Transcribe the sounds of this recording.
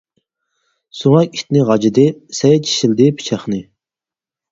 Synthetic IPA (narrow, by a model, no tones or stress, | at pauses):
soʁɑkʲit̪nɪʁɑd͡ʒid̪ɪsɛjɛt͡ʃʰi̥ʃild̪ɪpʰi̥t͡ʃʰæχnɨ